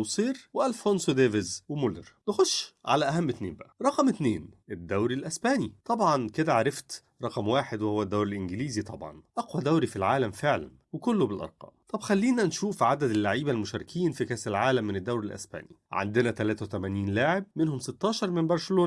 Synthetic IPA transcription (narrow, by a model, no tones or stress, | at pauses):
wsˤiːɾweʔælfonsod̪eːvezwemoleɾnexoʃːʕa̰læʔæhæmːɪt̪nḛːmbæʔæɾˤɑqɑmʔɪt̪neːnʔed̪ːæwɾilʔæsbæːnit̪ˤɑbʕɑnked̪æʕaɾɑft̪ | ɾˤɑqɑmwaːħed̪wehowːæd̪ːæwɾɪlʔɪnɡɪliːzit̪ˤɑbʕɑ̰nʔɑqwæd̪æwɾifilʕaːlæmfeʕlæ̰nwekolːobelʔɑ̰ɾˤqɑ̰ːmt̪ˤɑbxælːiːnænʃuːfʕad̪æd̪ɪlːaʕiːbælmʊʃæːɾkʰiːnfikæːselʕaːlæmːɪnɪd̪ːæwɾilʔæ̰sbæ̰ːniʕa̰nd̪enæt̪ælæːt̪æwet̪æmæːniːnlaːʕeb̚menhomset̪ːɑːʃɑɾˤmenbɑɾˤseloːn